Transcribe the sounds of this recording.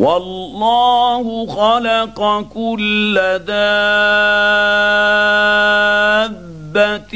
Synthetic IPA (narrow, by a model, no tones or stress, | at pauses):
wɑlːɑːhʊxɑlɑqqɑkʊlːaðaː | a | bːat̪